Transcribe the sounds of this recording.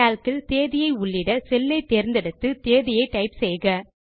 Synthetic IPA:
aːlkɪlt̪eːðɪjɐɪʊɭːɪɽɐsɛlːɐɪt̪ːeːɾɪnd̪ɛɽɯt̪ːɯt̪eːðɪjɐɪʈɐɪpsɛjɣɐ

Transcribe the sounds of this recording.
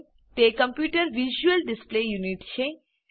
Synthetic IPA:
t̪ekə̃mpjuːʈəɾʋiʒuəlɖɪsplejuniʈt͡ʃʰe

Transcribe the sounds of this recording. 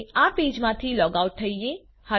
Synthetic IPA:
apiːd͡ʒmãt̪ʰilɔːɡauʈ̚t̪ʰəije | hə

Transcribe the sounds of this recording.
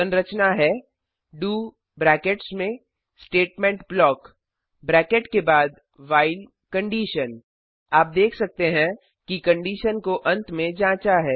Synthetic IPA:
ə̃nɾət͡ʃnaɦɛː | ɖuː | bɾɛːkeʈsmẽ | sʈeːʈmɛ̃ːɳʈblɔːk | bɾɛːkeʈkebaːd̪ | ʋaːɪl | kə̃ɳɖiːʃən | aːp̚d̪eːkʰsɐk̚t̪eɦɛ̃ | kikɐ̃ɳɖiːʃənkoʔɐ̃nt̪mẽd͡ʒãːt͡ʃaɦɛː

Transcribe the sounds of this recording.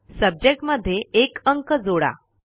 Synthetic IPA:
səb̚d͡ʑek̚ʈməd̪ʱːjeekəŋkəd͡zoɽa̰

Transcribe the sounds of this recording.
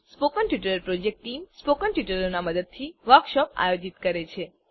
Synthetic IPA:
spokəɳʈjuʈəɾəɾpɾod͡ʒek̚ʈʈːimspokəɳʈjuʈəɾonaməd̪əd̪̚t̪ʰiʋəɾkʃɔpa̰jod͡ʒit̪kəɾet͡ʃʰe

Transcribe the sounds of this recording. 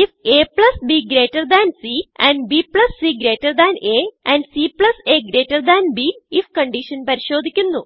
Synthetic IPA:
ifeːpɭɐsbiːɡɾeːʈːɐrd̪æːnsiɛ̃ɳɖbiːpɭɐsːiːɡɾeːʈːɐrd̪æːneɛ̃ɳɖsiːpɭɐseːɡɾeːʈːɐrd̪æːnbiːifkɐɳɖiʂɐnpɐɾiɕo̞ːd̪ʱikʲːunːu

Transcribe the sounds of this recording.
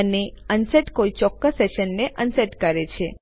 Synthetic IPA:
əneənsəʈkoit͡ʃɔkːəsːeʃənːeʔənsəʈkəɾet͡ʃʰe

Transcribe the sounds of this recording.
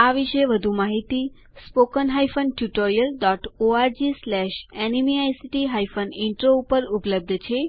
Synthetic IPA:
aʋiʃeʋəd̪ʱumaɦit̪i | spokənɦajfənʈjuʈoɾijəlɖɔʈoaɾd͡ʒislɛʃɛnimiajsiʈiɦajfənɪɳʈɾoupəɾupləb̚d̪ʱt͡ʃʰe

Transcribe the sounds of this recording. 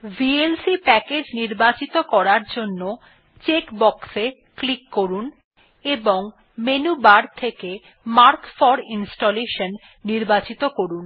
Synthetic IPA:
bʱielsipɛked͡ʑniɾbat͡ɕit̪okɔɾaɾd͡ʑonːo | t͡ɕekbɔkse | klikːoɾun | eboŋ | menubaɾt̪ʰeke | maɾkfɔɾinsʈoleʃonː | iɾbat͡ɕit̪okoɾun

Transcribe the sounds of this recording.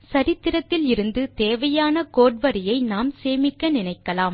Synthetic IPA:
sɐɾɪt̪ːɪɾɐt̪ːɪlɪɾɯnd̪ɯt̪eːʋɐjaːnɐkoːʈʋɐɾɪjɐɪnaːmseːmɪkːɐnɪnɐɪkːɐlaːm

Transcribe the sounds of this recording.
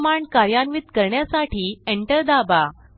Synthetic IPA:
maɳɖkaɾjanʋit̪kəɾɳjasaʈʰiːeɳʈəɾd̪aba

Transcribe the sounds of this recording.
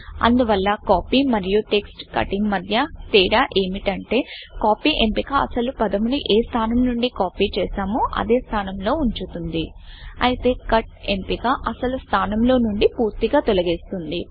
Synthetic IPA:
ɐ̰nd̪uʋɐlːɐkaːpiːmɐɾijuʈeksʈkɐ̰ʈiŋɡmɐd̪ʱjɐt̪ɛːɽaːʔe̞ːmiʈɐɳʈe̞ːkaːpiːʔe̞mpikaɐsɐlupɐd̪ɐmuniʔeːst̪ʰaːnɐmnuɳɖikaːpiːt͡ʃɛːsaːmuɐ̰d̪e̞ːst̪ʰaːnɐmlo̞ːuɲt͡ʃut̪und̪iɐjit̪e̞ːkɐʈ̚e̞mpikaʔɐsɐlust̪ʰaːnɐmlo̞ːnuɳɖipuːɾt̪iɡaːt̪olɐɡeːst̪und̪i

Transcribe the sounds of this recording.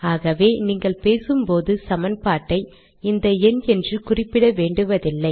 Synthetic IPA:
aːɣɐʋeːniːŋɡɐɭpeːsɯmpoːðɯsɐmɐnpaːʈːɐɪ | ɪnd̪ɐɛnɛndrɯkʊrɪpːɪɽɐʋeːɳɖɯʋɐðɪlːɐɪ

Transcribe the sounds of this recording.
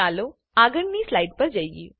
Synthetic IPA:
aːlo | aːɡənnislaɪɖ̚pɐɾd͡ʒaːjɡḭː

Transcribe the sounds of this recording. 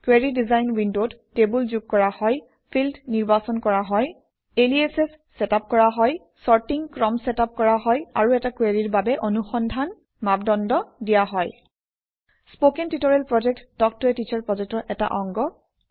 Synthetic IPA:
kweɹidizajnwindodtebulzuɡ̚kɔɹahɔj | pʰildniɹbasɔnkɔɹaɦɔj | eliesesːɛtap̚kɔɹaɦɔj | sɔɹtiŋkɹɔmsɛtap̚kɔɹaɦɔja̰ɹuɛtakweɹiɹbabɛʔonuxɔndʱan | mabdɔndɔdijaɦɔj | spokintitɔɹɛlpɹɔd͡ʒɛk̚tdɔk̚tuɛtit͡ʃʰɔɹpɔzɔtɔʔɛta̰ʔɔŋɡɔ

